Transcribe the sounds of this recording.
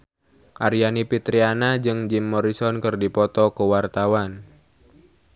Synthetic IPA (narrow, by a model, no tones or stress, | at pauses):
ʔaɾijanipit̪ɾianad͡ʒɨŋd͡ʒimːɔɾisɔnkɨrdipɔt̪ɔkəwart̪awan